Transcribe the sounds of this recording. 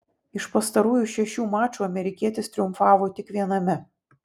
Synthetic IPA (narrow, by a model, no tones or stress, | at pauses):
ɪʃpɐst̪ɐɾuːjuʃʲɛʃʲuːmɑːt͡ʃuːɐmʲɛɾʲɪkʲiɛt̪ʲɪst̪ʲɾʲɪʊmfɑːʋoːt̪ʲɪkʋʲiɛnɐmʲɛ